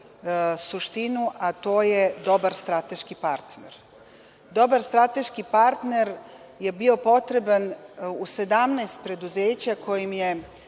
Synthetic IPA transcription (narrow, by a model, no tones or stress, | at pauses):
suʃt̪inuʔat̪o̞ːjed̪o̞baɾst̪ɾat̪e̞ʃkipaɾt̪nḛɾ | d̪o̞baɾst̪ɾat̪e̞ʃkipaɾt̪ne̞ɾ | je̞bio̞po̞t̪ɾe̞banuse̞d̪amnast̪̚pɾe̞d̪uzeːt͡ɕakʰo̞jimje̞